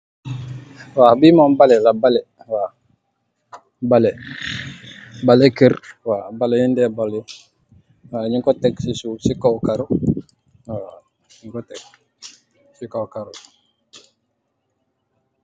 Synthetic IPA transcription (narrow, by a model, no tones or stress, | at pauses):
wabimambalɛlabalɛ | wa | balɛ | balekərwabaleindɛbale | waɲiŋkɔtɛksisusikowkaɾu | a | ɲiŋkɔtɛk̚ | sikowkaɾu